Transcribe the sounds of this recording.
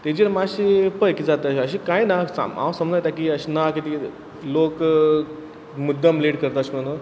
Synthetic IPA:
t̪ed͡ʑiɾmaɕipəjkid͡zat̪əəɕəɕikajnasa̰mã̰wsəmd͡zajt̪ak̬iəɕinakit̪i | lok | mud̪ːəmleʈkəɾt̪aəɕm̤əɽ̃un

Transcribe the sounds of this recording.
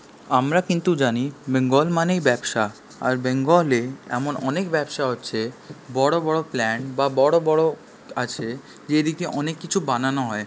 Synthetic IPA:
amɾakint̪ud͡ʑanibeŋɡɔlmanejbɛbʃa | a̰ɾbeŋɡoleɛ̰monɔnekbɛbʃaɦotːɕʰebɔɽobɔɽoplɛnbabɔɽobɔɽo | at͡ɕʰe | d͡ʑed̪ikeʔɔnekːit͡ɕʰubananoɦɔe

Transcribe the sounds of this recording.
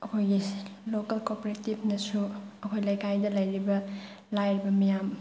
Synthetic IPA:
ɐkʰojɡilokɐlkopoɾetib̚ʰʱnɐsuɐkʰojlɐjkʰajdɐlɐjɾibɐ | lajɾibɐmijam

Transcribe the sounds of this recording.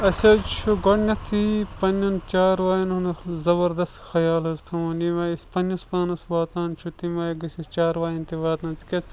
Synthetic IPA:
ɐsʲɐt͡ʃʰuɡoʈnʲɐt̪ʰipɐnɐnt͡ʃaːɾʋaːjɐnunzɐbɐɾd̪ɐst̪xɐjaːlɐzt̪ʰɐmɐnimɐːispɐnɐspaːnɐsbaːt̪aːnt͡ʃʰut̪imɐːjɡɐsɐt͡ʃaːɾʋaːjɐnt̪iʋaːt̪nɐt͡si̥kʲɐs

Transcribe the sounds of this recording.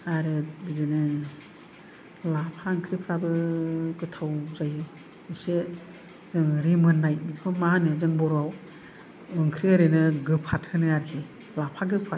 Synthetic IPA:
aɾɯbizɯnɯ | lapʰaɯŋkʰɾipʰɾabɯkɯtʰawzajɯ | ise | zɯŋɾimɯnːajbizkʰɔmaɯnɯzɯŋbɔɾaw | ɯŋkʰɾiaɾɯnɯɡɯpʰat̚hɯnɯaɾkʰe | lapʰaɡɯpʰa

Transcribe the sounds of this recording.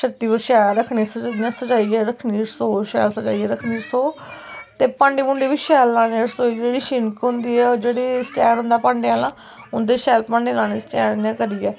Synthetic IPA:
ʃəʈ̪ːiːbəʃɛːɾəkʰniːsəjãːsəd͡ʒaːiːɛːɾəkʰniːsoːʃɛːlsəd͡ʒa̰ːiːɛːɾəkʰniːsoː | t̪eːpə̃ɳɖiːmʊɳɖeːʋiːʃɛːlːãːnːsoːid͡ʒeːɽiːʃɪnkɦʊ̃nd̪iːɛːd͡ʒeːɽiːsʈɛːnɦʊ̃nd̪aːpə̃ːɳɖeãːlãː | ʊnd̪eːʃɛːlpə̃ɳɖeːlãːneːsʈɛːnãːkəɾiːɛː

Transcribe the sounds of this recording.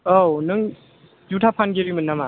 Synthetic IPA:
ownɯŋ | d͡ʒutʰapʰanɡeɾimɯnːama

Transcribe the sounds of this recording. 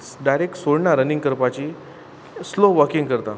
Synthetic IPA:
ɖajɾek̚ʈsoɽɳaɾənĩŋɡkəɾpat͡ɕiː | sloʋəɾkiŋɡkəɾt̪a

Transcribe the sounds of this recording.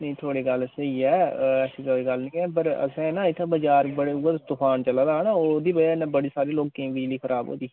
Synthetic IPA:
nəĩt̪ʰoːɽiːɡəlsəiːɛːɛːsiːt̪ʰoːɽiɡəlnĩːɛːpəɾə̰sɛ̃ːnãːɪt̪ʰabəd͡ʒaːɾbəɽeːʊəst̪ʊpʰaːnt͡ʃəlãːd̪aːɦnaːoːd̪iːbəd͡ʒaːnãːbəɽiːsaːɾeːloːk̚kẽːbɪd͡ʒliːxʰəɾʔaːbo̰ːd̪iː

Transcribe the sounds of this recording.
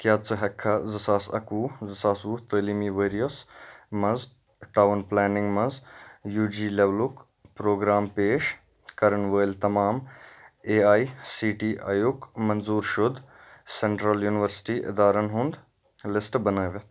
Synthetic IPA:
kjaːt̪t͡sɨɦɛkʰːazɐsaːsɐ̰kuːzɐsaːsuːt̪əːliːmiːʋəːɾijɐsmɐz | ʈaːwnplɛːnɪ̃ŋɡmɐzjuːd͡ʒiːleʋluk | pɾoːɡɾaːmpeːʃ | kɐɾənʋəːlt̪ɐmaːm | eːaːisiːʈiːʔa̰ːjʊkmɐnzuːɾʃʊd̪seɳʈɾɐljuːnɪʋəɾsʈiːʔɪ̰d̪aːɾɐnɦʊ̃nd̪ | lɪsʈbɐnəːʋet̪

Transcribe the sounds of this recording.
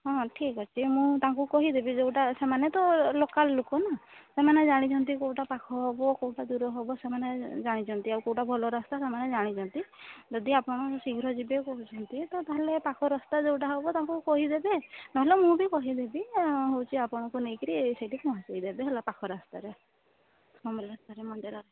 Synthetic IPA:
ɦɔ̃ʈʰikɔt͡ʃʰimũt̪aŋkukɔɦid̪ebid͡ʒewʈasemanet̪ɔlokalːokɔnasemaned͡ʒaɽ̃it͡ʃʰɔnt̪̬ikowʈapakʰɔɦɔbɔkowʈad̪uɾɔɦɔbɔsemaned͡ʒaɽ̃it͡ʃʰɔnt̪iaɾukowʈabʱɔlɔɾast̪asemaned͡ʒaɽ̃it͡ʃʰɔnt̪id͡ʒɔd̪iapɔɽ̃ɔsiɡʱɾɔd͡ʒibekɔɦut͡ʃʰɔnt̪it̪ɔt̪aɦelepakʰɔɾɔst̪ad͡ʒewʈaɦɔbɔt̪aɦŋkukɔɦid̪ebenɔɦelemũbikɔɦid̪ebiɦowt͡ʃʰiapɔɽ̃ɔkunejkɔɾiseʈikɔɦat͡ʃejd̪ebeɦelapakʰɔɾast̪aɾe | mɔmlast̪aɾemɔd̪iɾɔɾ

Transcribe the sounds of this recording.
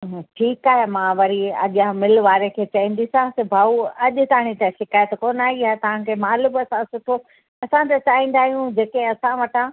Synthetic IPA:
ʈʰiːkaːɦemãʋɐɾiɐ̰ɠijãmɪlʋaːɾekʰeːt͡ɕɐĩːn̆d̪isãsebʱaːuɐʄʊ̆t̪aːɽ̃it̪ɛ̃ʃɪkaːjət̪koːnaːɦiaːɦet̪ɐʋ̤ãkʰeːmaːlʊbɐsãsʊʈʰo | ɐsãt̪et͡ɕaːĩːn̆d̪aːɦijũd͡ʑeːkẽɐsãʋɐʈã

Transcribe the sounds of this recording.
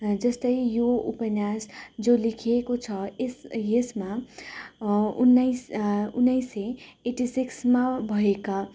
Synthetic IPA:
d͡zʌst̪ʌijoupənjasd͡zolikʰekot͡sʰʌesjesma | unːajsunːəiseeʈisiksmabʱʌeka

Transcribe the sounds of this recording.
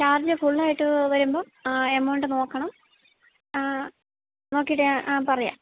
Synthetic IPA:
t͡ɕaːrd͡ʑɐfuɭːaːjiʈːɨʋɐɾumboː | emːɐoɳɖɨno̞ːkːɐɳɐm | no̞ːkːijʈːɨpɐrɐja̰ːm

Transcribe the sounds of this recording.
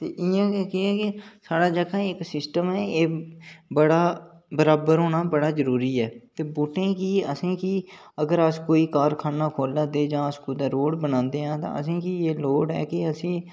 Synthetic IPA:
t̪eːʔɪjãːkːkɪɛːkɪsaːɽaːd͡ʒəkʰãːɪksɪsʈəmɛːeːbəɽaː | bəɾaːbəɾɦoːɳaːbəɽaːzəɾuːɾiːɛːt̪eːbʊːʈẽːkiːəsĩːkiː | əɡəɾəskoːiːkaːɾkʰaːnaːkʰoːlãːd̪eːd͡ʒãːəskʊːd̪aːɾoːɽbənãːnd̪eːɦãːt̪ã̰ːəsĩːkiːeːloːɽɛ̰ːkɪəsĩː

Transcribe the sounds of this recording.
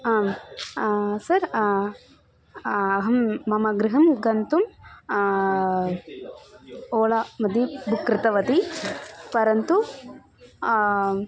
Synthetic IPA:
aːm | sɐɾ | ɐɦɐmːɐmɐɡɾɪɦɐmɡɐnt̪um | oːlɐmɐd̪ibʱukɾɪt̪ɐʋɐt̪i | pɐɾɐnt̪u

